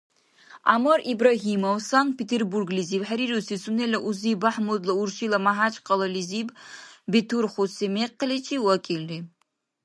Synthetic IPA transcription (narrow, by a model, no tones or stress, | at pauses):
a̰moɾibɾaɦimowsanpʰetʰerburɡliziːbħaɾiɾusisunelɐʔuzibaħmud̪lˠɐurʃilɐmaɦat͡ʃʼqʰɐlɐlizibbetʰurχʷosemeqːəlet͡ʃʰiwakʲʼilːi